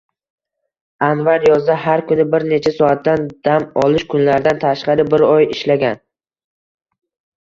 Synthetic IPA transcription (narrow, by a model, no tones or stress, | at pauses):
anvaɾjɒzd̪ahaɾkʰʊnɪbɪɾne̞t͡ʃʰasɒat̪ːand̪̥amɒlɪʃkʰʊnlaɾd̪ant̪ʰaʃqɑɾɪbɪɾɒjɪʃlaɡʲan